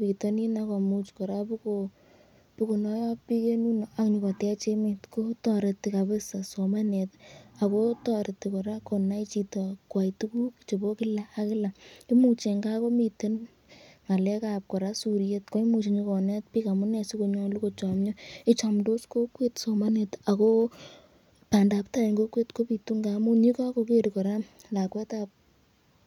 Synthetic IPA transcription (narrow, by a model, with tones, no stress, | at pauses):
pi˨tɔ˦ni˦na˧ka˨mut͡ʃkɔ˨ɾa˦pu˦ko˨ | pi˦ko˨nɔ˦jɔ˦pːi˦ke˦nu˦no˨a˨kɲi˧kɔ˨tɛ˦a˦t͡ʃe˦me˨tko˦tɔ˧ɾe˨ti˨ka˨bɪ˦sa˨so˨ma˦nɛ˨ta˨ko˦tɔ˦ɾe˨ti˨kɔ˨ɾa˦ko˨na˦i˦t͡ʃi˧tɔ˨kwa˨jtu˦ku˦kt͡ʃe˨bo˦kɪ˦laː˦kɪ˦la˨i˦mu˦t͡ʃe˨ŋɡa˦ko˦mi˧te˦n | ŋa˨lɛ˦ka˨p̚kɔ˨ɾa˦su˨ɾje˦tko˦i˦mu˨˧t͡ʃi˨ɲi˧kɔ˨nɛ˦t̚pi˦ka˨mu˦nɛ˨si˦ko˧ɲɔ˦lu˦ko˨t͡ʃa˨mɲɔ˦i˦t͡ʃa˨mdo˦sko˦kwe˦tso˨ma˦ne˨ta˨ko˦ | pa˨nda˨pta˦i˨ŋɡo˦kwe˦tko˦pi˨tu˦ŋɡa˨mu˦ɲi˦ka˦ko˧ke˦ɾiko˨ɾa˦ | la˨kwɛ˦tap̚